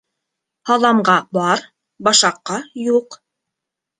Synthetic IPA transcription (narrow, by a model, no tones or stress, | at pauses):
hɑðˠɑmɢɑbɑɾ | bɑʃɑqːɑjuq